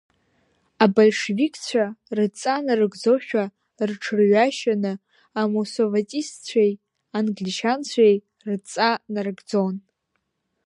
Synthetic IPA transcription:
abalʲʂevikʰʼt͡sʷʰarɨt͡sʼanarɨɡd͡zoʃᶣa | rʈ͡ʂʰɨrɥaʃanɨ | amosovatʼist͡ɕʷʰej | anɡlʲiʃant͡ɕʷʰej | rɨt͡sʼanarɨɡd͡zo̞n

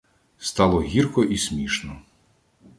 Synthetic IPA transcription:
st̪ɑlˠɔɦʲirkɔʔismʲiʃnɔ

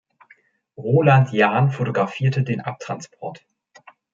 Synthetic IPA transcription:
ʁoːlantʰjaːnfotoɡʁafiːɐtədeːnʔap̚tʁ̥anspʰɔɐt

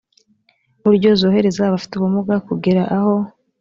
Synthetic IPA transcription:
βuɾɟo̞zoːɦe̞ɾe̞zaβafi̥tuβumuɡakuɡeɾaʔaho̞

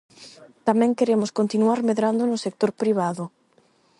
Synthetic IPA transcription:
t̪amɛ̃ŋkeɾemʊskont̪inuaɾmeðɾand̪ʊnʊsek̚t̪oɾpɾiβ̞aðʊ

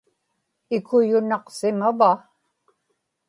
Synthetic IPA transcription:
ɪkʊjʊnɑqsɪmava

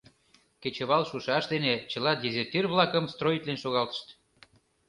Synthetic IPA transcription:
ket͡ɕəβɑlʃuʃɑʃd̪enet͡ɕə̆lɑd̪ʲezʲert̪irβlɑkəmst̪rojit̪lenʃoɣɑlt̪ə̥ʃt̪

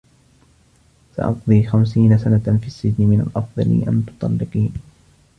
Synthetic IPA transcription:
sɑ̰ʔɑqd̪ˤiːxamsiːnasanafiːsːɪd͡ʒnɪmɪna̰lʔɑfðˤɑlɪ̰ʔa̰nt̪ʊ̥t̪ˤɑ̰lːɪqiːn

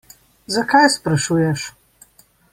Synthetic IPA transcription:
zakajspɾaʃujɛʃ

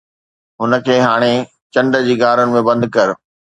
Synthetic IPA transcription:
ɦʊnə̆kʰeːɦaːɽ̃e | t͡ɕɐ̃ɳɖəd͡ʑiːɡaːɾʊnɪ̆mẽbɐ̃nd̪kɐɾ

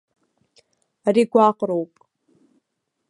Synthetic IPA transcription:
ariɡʷaːqʼɾowpʼ

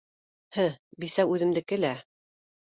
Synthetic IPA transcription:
hɘbisæwʉðɘ̆md̪ɘ̆kɘ̆læ

